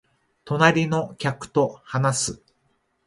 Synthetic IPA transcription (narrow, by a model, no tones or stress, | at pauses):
t̪o̞naɾʲino̞kʲakɯ̟̥t̪o̞hanasɨ